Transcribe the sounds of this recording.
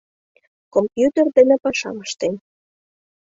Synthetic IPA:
kompjut̪erd̪enĕpɑʃɑ̰məʃt̪en

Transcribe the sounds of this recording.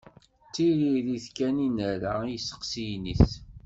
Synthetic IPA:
t͡sːiɾiðiθkæninəɾaijəsːə̥qsijniθ

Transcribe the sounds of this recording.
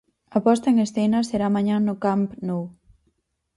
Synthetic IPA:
ɐpɔst̪ɐeŋesθenɐseɾamãɲãnʊkampnow

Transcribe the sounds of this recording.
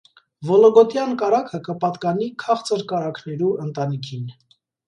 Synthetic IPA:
vɔlɔɡɔt̪jɑnkɑɾɑkʰəkəpɑt̪kɑnikʰɑχt͡səɾkɑɾɑkʰnɛɾuənt̪ɑnikʰin

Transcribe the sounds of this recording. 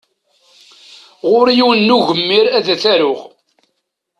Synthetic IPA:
ʁʊɾjiwənːuʝəmːɪɾæðæθæɾʊʁ

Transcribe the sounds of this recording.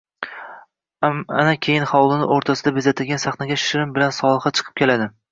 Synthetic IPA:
anakʲʰejɪnχɒwlˠɪnɪʔoɾt̪ʰasɪd̪abezat̪ʰɪlɡʲansaχnaɡʲaʃɪɾɪmbɪlansɒlˠɨχɑt͡ʃʰɨ̥qʰɨ̥p̚kʲʰe̞lad̪ɪ

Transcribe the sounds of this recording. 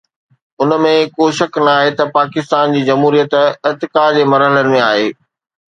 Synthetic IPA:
ʊnə̆mẽkoːʃɐknaːɦet̪ɐpaːkɪst̪aːnd͡ʑiːd͡ʑɐmɦuːɾijət̪ɪt̪ɪkaːd͡ʑeːmɐɾɦələnɪmẽaːɦeː

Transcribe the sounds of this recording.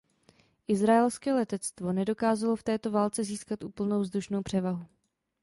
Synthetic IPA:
ʔɪzɾaɛlskɛːlɛt̪ɛt͡st̪vo̞nɛdo̞kaːzalo̞ft̪ɛːt̪o̞vaːlt͡sɛziːskat̪ʔuːpl̩nowvzduʃno̞wpr̥ɛvaɦu

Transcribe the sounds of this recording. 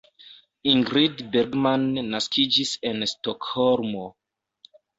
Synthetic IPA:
iŋɡɾidbeɾɡmanːaskid͡ʒise̞nstokholmo

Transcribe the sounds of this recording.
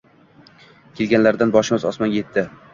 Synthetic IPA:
kʲʰelɡʲanlaɾd̪anbɒʃɪmɪzɒsmanɡʲje̞t̪ʰːɪ

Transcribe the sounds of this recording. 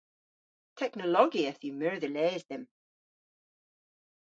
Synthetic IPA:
tʰɛknəlˠɔɡiəθəmɜɹðəlɛzðə̃m

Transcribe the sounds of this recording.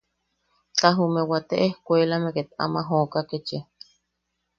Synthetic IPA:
t͡ɬaɦumewat̪eʔehkʷeːlameket̪a̰maɦoːkaket͡ʃe

